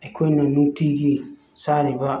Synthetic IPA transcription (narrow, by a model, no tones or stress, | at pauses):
ɛkʰenonutːiɡi | saɾiba